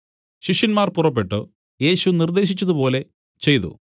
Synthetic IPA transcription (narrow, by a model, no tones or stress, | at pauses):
ɕiʂjɐnmaːrpurɐp̬ːe̞ʈːɨ | je̞ːɕunird̪e̞ːɕ̬it͡ɕːɐðupo̞ːle̞ | t͡ɕe̞jt̪ṵ